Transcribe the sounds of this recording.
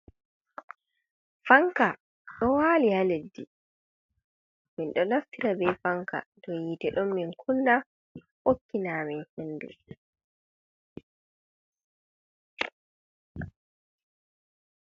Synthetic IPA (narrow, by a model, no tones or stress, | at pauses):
faŋka | ɗɔwaːlihaledːḭ | minɗɔnaftiɾabɛjfaŋka̰dɔjitɛɗɔmːinkʰunːa | okːinaːminhenːdṵ